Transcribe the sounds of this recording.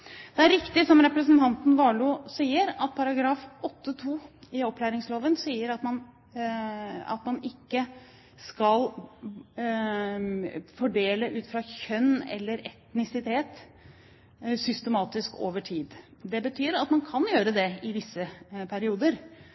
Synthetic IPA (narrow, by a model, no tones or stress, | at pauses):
d̪ɛæɾɾɪkt̪ɪsɔmɾɛpɾəsənt̪ʰɑnt̪n̩ʋɑːɭʊsiːəɾɑt̪̚pʰɑɾɑɡɾɑːfɔt̪ːət̪ʰuːɪɔpʰːlæːɾɪŋsloːʋənsiːəɾɑt̪mɑn | ɑ̰t̪mɑnɪkːə | skɑl | fɔɖeːləʔʉːt̪fɾɑçœnːɛ̰lːəɾɛt̪nɪsɪt̪ʰeːt̪ | sʏst̪ɛmɑːt̪ɪsko̰ːʋəʈʰiːd̪d̪ɛbət̪ʰyːɾɑt̪mɑnkʰɑnjøːɾəd̪ɛɪʋ̪ɪsːəpʰæɾɪuːd̪əɾ